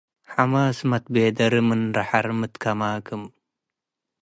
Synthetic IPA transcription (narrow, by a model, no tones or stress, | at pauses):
ħamaːsmɐt̪̚beːd̪ɐɾɨmɨnɾɐħaɾmɨt̪kʰɐmaːkɨm